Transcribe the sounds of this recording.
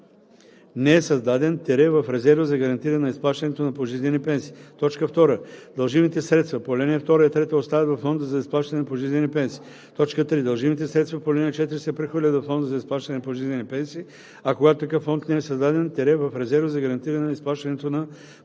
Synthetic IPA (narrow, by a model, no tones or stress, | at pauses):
nɛɛsɐzd̪ad̪ɛnt̪ɛɾɛvɐfɾɛzɛɾvəzɐɡɐɾɐnt̪iɾɐnɐisplˠaʃt̪ɐnɛt̪onɐpoʒizlʲɛnipɛnsi̥ːt̪ɔt͡ʃkəft̪ɔɾəd̪ɐlˠʒimit̪ɛsɾɛt̪st̪vɐpolʲɛniɛft̪ɔɾəɛt̪ɾɛt̪əotst̪avɛvɐfːɔnd̪əzɐisplˠaʃt̪ɐnɛpoʒizlʲɛnipɛnsi̥ː | t̪ɔt͡ʃkət̪ɾid̪ɐlˠʒimit̪ɛsɾɛt̪st̪vɐpolɛniɛt͡ʃɛt̪iɾisɛpɾɛxvəɾlʲət̪vɐfːɔnd̪əzɐisplˠaʃt̪ɐnɛpoʒizlʲɛnipɛnsiː | ɐkoɡat̪ot̪ɐkəfːɔnt̪nɛɛsɐzd̪ad̪ɛnt̪ɛɾɛvɐfɾɛzɛɾvəzɐɡɐɾɐnt̪iɾɐnisplˠaʃt̪ɐnɛt̪onɐ